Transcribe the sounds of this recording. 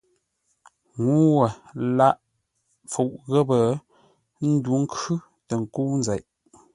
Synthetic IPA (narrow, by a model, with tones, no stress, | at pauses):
ŋu˦wə˨la˦ʔ | fo˨ʔɣə˦pə˨ | n̩˦du˦ŋ̩˦kʉ˦ | tə˨ŋ̩˨ku˦n˦za˨ʔ